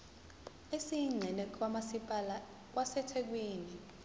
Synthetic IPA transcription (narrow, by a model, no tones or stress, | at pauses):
esiŋ͡ǀʱɛlɛkʼwamaipʼala | k̬ʼwasɛtʰɛk̬weːni